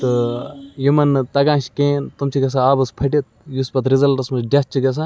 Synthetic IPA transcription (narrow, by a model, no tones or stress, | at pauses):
t̪ɨjimɐnt̪ɐɡãːʃi̥keːnt̪umt͡ʃʰiɡɐs̬aaːbɐspʰɐʈit̪̚juspɐt̪ɾizɐlɾɐsmɐt͡ʃɖʲɐs̚t͡ʃʰiɡɐs̬ãː